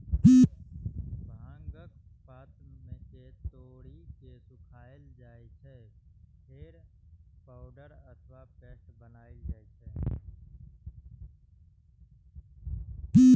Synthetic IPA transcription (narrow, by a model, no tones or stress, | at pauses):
bʱãːŋɡək̚paːt̪mẽket̪oːɽikesʊkʰaːəld͡ʒaːet͡ʃʰɛpʰeɾ | paːʊɖəɾət̪ʰwapeːʈbənaːed͡ʒaːet͡ʃʰɛː